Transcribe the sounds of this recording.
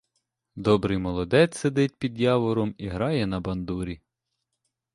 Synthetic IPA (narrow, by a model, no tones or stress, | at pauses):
d̪ɔbɾɪjmɔlˠɔd̪ɛt͡s̪ʲsed̪ɪt̚ʲpʲid̪jɑʋɔɾɔmiɦɾɑjɛn̪ɐbɐnd̪uɾʲi